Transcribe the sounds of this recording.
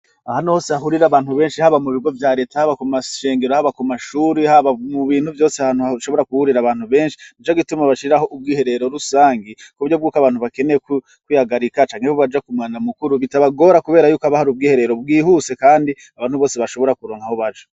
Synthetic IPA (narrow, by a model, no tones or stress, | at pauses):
ahanohoːsehaɦuɾiɾaβaːnhuβe̞ːnʃihaβamuβiɡo̞vjaːɾe̞ːtahaβakumaʃe̞ːŋɡe̞ɾohaβakumaʃuːɾihaβamuβiːnhuvjo̞ːseaaːn̥huaʃo̞βoɾakuhuɾiɾaβaːn̥huβe̞ːnʃi̥nit͡ʃoɡitumaβaʃiɾaho̞ʔub̚ɡiːhe̞ɾe̞ɾo̞ɾusaːŋɡikouɾjo̞b̚ɡuːkaβaːnhuβake̞neek | kwihaɡaɾikat͡ʃaːŋhehoβad͡ʒakumaːnamukuɾuβitaβaɡo̞ːɾakuβe̞ːɾajuːkoaβahaɾub̚ɡiːhe̞ɾe̞ɾob̚ɡiːhuse̞kaːndi | aβaːnhuβo̞ːseβaʃo̞βo̞ɾakuɾo̞ːŋhahoβad͡ʒo̥